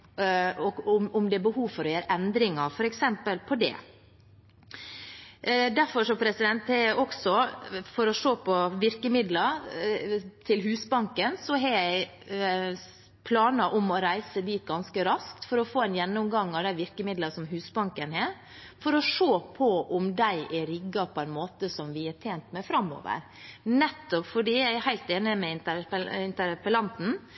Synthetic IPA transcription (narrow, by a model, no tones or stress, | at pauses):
ɔʊmʊmd̪ɛæbəhuːʋfɔɾɔjeːɾəʔɛnd̪ɾɪŋɑfɔɾɛksɛmpəlpʰɔd̪ɛ̰ | d̪æɾfɔʂɔpʰɾɛsɪd̪ɛnt̪hɛɔksɔfɔɾɔʂoːpʰɔʋɪɾkəmɪd̪lɑ | t̪ʰɪlɦʉːsbɑŋkənsɔɦɛjæɪ | pʰlɑːnɑʔʊmɔɾæɪsəd̪iːt̪̚ɡɑnskəɾɑskt̪fɔɾɔfoːɛnjɛnːʊmɡɑŋːɑʋd̪æɪʋɪɾkəmɪd̪lɑsɔmɦʉːsbɑŋkənɦeːɾ | fɔɾɔʂoːpʰɔʔʊmd̪æɪʔɛɾɪɡːɑpʰɔæɪnmoːt̪əsɔmʋɪæʈʰeːnt̪mɛfɾɑmːɔ̰ːʋə̰ɾ | nɛt̪ːɔpfɔɖiːjæɪæɾhæɪlt̪eːnəmɛɪnt̪əɾpɪnt̪əɾpəlɑnt̪n̩